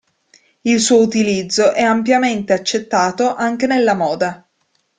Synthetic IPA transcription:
ilsuːout̪ilid̪zːoʔɛampjament̪eat͡ʃːet̪ːaːt̪oʔaŋk̟enelːamɔːd̪a

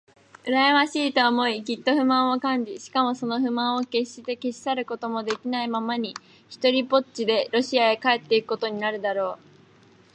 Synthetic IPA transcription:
ɯ̟ɾajamaɕiːt̪o̞ːmo̞iɡʲit̪ːo̞ɸɯ̟mãɰ̃okãɲ̟d͡ʑiɕi̥kamo̞so̞no̞ɸɯ̟mãɰ̃o̞ke̞ɕːit̪e̞ke̞ɕi̥saɾɯ̟ko̞t̪o̞mo̞d̪e̞kʲinaimamaɲ̟i | çi̥t̪o̞ɾʲipo̞t͡ɕid̪e̞ɾo̞ɕiaekae̞t̪ːeikɯ̟̥kot̪o̞ɲ̟inaɾɯ̟d̪aɾo̞ː

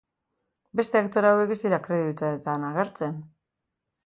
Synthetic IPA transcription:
be̞st̪e̞akt̪o̞ɾawe̞kesd̪iɾakɾe̞ðiut̪uaet̪anaɣeɾt͡se̞n

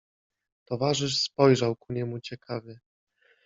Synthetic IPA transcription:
t̪ɔvaʐɘʂspɔjʐawkuɲɛmut͡ɕɛkʰavʲɘ

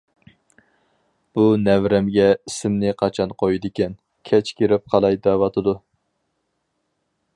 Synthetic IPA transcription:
b̥unɛvɾɛmɡʲɛisɪmnɪqʰɑt͡ʃʰɑnqʰojid̪ɪkʲɛn | kʲʰɛt͡ʃkʲʰeɾɪp̚qʰɑlˠɑjd̪ɑwɑt̪ʰɨd̪u

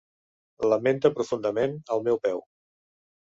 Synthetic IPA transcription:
ləment̪əpɾufund̪əmenəlˠmɛwpɛw

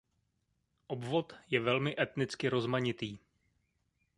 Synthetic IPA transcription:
ʔo̞bvo̞t̪jɛvɛlmɪʔɛt̪nɪt͡skɪɾo̞zmaɲɪt̪iː

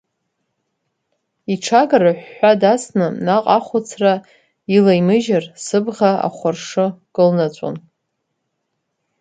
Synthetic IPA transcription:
iʈ͡ʂʰaɡaraħʷːadasnɨnaqʼaχʷʊt͡sʰra | ilajmɨʒarsɨbʁaa̰χʷʊrʂɨkʼɨlnat͡ɕʷʼo̰n

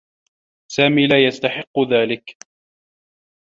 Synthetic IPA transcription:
saːmiːlaːjast̪aħɪqːʊðaːlɪk

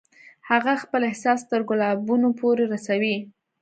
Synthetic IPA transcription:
haɣaxpəlɪhsɑst̪əɾɡʊlɑbunopoɾeɾasawi

